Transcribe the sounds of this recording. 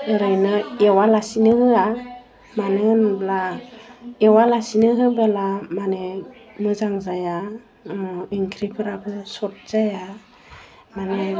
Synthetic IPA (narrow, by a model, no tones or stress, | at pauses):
ɯɾɯjnɯewalasinɯhɯa | manɯnbla | ewalasinɯɦɯbelamanemɯzaŋzaja | iŋkʰɾipʰɯɾabɯsɔt̚z̥aja | mane